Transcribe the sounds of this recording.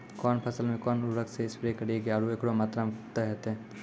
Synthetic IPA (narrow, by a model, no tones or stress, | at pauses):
kɔːnpʰɐsəlmẽkɔːnʊɾəkseɪspɪɾekɐɾieɡeaːɾuekɽomaːt̪ɾamt̪eɦɛt̪ɛ̃ː